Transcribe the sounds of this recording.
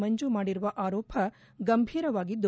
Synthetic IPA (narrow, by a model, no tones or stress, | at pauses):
mɐɲd͡ʒumaːɽiɾuʋɐʔaːɾoːpʰɐ | ɡɐmbʱiːɾɐʋaːɡid̪ːu